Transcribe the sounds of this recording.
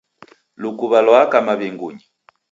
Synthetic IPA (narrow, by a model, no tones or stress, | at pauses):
lukuβalɔakamaβɛŋɡuɲi